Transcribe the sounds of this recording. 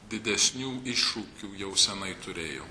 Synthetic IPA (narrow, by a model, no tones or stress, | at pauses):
d̪ʲɪd̪ʲɛsʲnʲuːɪʃuːkʲuːjɛʊsʲɛnɐɪt̪ʊɾʲeːjo̰ː